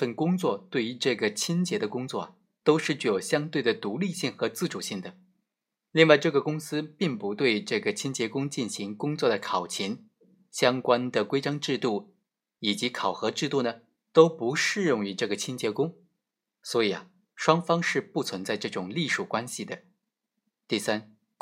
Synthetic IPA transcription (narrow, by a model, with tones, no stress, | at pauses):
fə˥˩nkʊ˥ŋt͡swɔ˥˧t̪we˥˩ɪy˧˥ʈ͡ʂɤ˥˩ɡə˩t͡ɕʰi˥nt͡ɕjɛ˧˥d̪ə˧kʊ˥ŋt͡swɔ˥˩ɐ˩ | t̪o˥ʊʂɻ̩˥˧t͡ɕy˥˩jo˨˩ʊɕjɑ˥ŋt̪we˥˩ɪd̪ə˩t̪u˧˥li˥˧ɕi˥˩ŋxɤ˧˥t͡sɹ̩˥˩ʈ͡ʂu˨˩ɕi˥˩ŋd̪ə˩ | li˥˧ŋwa˥˧ɪʈ͡ʂɤ˥˩ɡə˩kʊ˥ŋsɹ̩˥pi˥˩ŋpu˧˥t̪we˥˧ɪʈ͡ʂɤ˥˩ɡə˩t͡ɕʰi˥nt͡ɕjɛ˧˥kʊ˥ŋt͡ɕi˥˩nɕi˧˥ŋkʊ˥ŋt͡swɔ˥˩d̪ə˩kʰɑ˨˩ʊt͡ɕʰi˧˥ŋ | ɕjɑ˥ŋkwa˥nd̪ə˨kwe˥ɪʈ͡ʂɑ˥ŋʈ͡ʂɻ̩˥˧t̪u˥˩ | i˨˩t͡ɕi˧˥kʰɑ˨˩ʊxɤ˧˥ʈ͡ʂɻ̩˥˧t̪u˥˩nə˩ | t̪o˥ʊpu˧˥ʂɻ̩˥˧ɻʊ˥˩ŋy˧˥ʈ͡ʂɤ˥˩ɡə˩t͡ɕʰi˥nt͡ɕjɛ˧˥kʊ˥ŋ | swɔ˧˥i˨˩ɐ̰˨˩ | ʂwɑ˥ŋfɑ˥ŋʂɻ̩˥˧pu˥˩t͡sʰwə˧˥nt͡sa˥˧ɪʈ͡ʂɤ˥˩ʈ͡ʂʊ˨˩ŋli˥˩ʂu˨˩kwa˥nɕi˨˩d̪ə˩ | t̪i˥˩sa˥n